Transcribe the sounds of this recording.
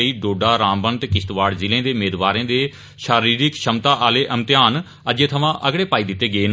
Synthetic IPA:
iːɖoːɖaːɾãːmbənt̪eːkɪst̪ʋaːɽzɪlẽːd̪eːʊmeːd̪ʋaːɾẽːd̪eː | ʃaːɾiːɾɪkʃəmt̪aːʔaːleːʔəmt̪ɪjaːn | əd͡ʒeːt̪ʰəʋãːʔəɡɽeːpaːiːd̪ɪt̪ːeːɡeːn

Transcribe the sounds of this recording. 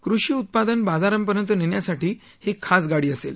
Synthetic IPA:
kɾuɕiːut̪̚pad̪ənbad͡zaɾəmpəɾjənt̪ənenjasaʈiː | hekʰasɡaɽiːəsel

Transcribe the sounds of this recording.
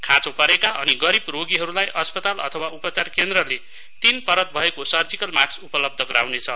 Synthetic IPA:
kʰãt͡sopʌɾekaʔʌniɡʌɾibroɡiɦʌɾulajʔʌspʌt̪alʌ̰t̪ʰʌwaupʌt͡sarkend̪rʌle | t̪inpʌɾʌt̪̚bʱʌekosʌrd͡zikʌlmaksupʌlʌb̚d̪ʱʌɡʌɾa̰wnet͡sʰʌ

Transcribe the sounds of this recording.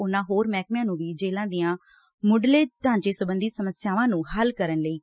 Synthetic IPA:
ʊnãːɦoːɾmɛːkmjãːnũːʋiːd͡ʒeːlãːd̪ijãː | mʊɖleːʈãːɲt͡ʃeːsʊbənd̪iːsəməsɪjaːʋãːnũːhəlkəɾənləiː

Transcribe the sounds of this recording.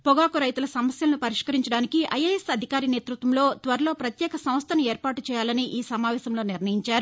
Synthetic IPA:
pɔɡaːkuɾɐjt̪ulɐsɐmɐsjɐlɐnupɐɾiʂkɐɾiɲt͡ʃɐɽaːnikiʔɐjɐjesɐd̪ʱikaːɾineːt̪ɾut̪ʋɐmlo̞ːt̪ʋɐɾɐlo̞ːpɾɐt̪jɛːkɐsɐ̃m̃st̪ʰɐnueːɾpaːʈut͡ʃɛːjaːlɐniʔiːsɐmaːʋɛːsɐmlo̞ːniɾnɐjiɲt͡ʃaːɾu

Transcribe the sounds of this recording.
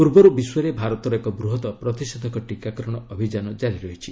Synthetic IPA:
puɾbɔɾubiswɔɾebʱaɾɔt̪ɔɾekɔbɾuɦɔt̪ɔpɾɔt̪isɔd̪ʱɔkɔʈikakɔɾɔɽ̃ɔɔbʱid͡ʒanɔd͡ʒaɾiɾɔɦit͡ʃʰi

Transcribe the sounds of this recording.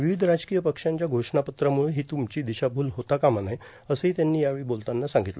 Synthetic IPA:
ʋiʋid̪ʱɾad͡zkijəpəkʂaɲt͡ɕjaɡʱoʂɳapət̪ɾamuɭeɦiːt̪umt͡ɕiːd̪iɕabʱuːlɦot̪akamanaj | əsəɦit̪janːiːjaʋiːbolt̪anːasãŋɡit̪lə

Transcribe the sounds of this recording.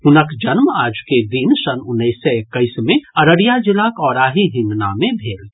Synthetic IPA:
ɦʊnəkd͡ʒənmaːd͡ʒked̪insənʊnːəɪsːeekːəɪsmẽɐɾəɽijad͡ʒɪlakɔːɾaːɦiɦɪ̃nd̪namẽbʱeːl

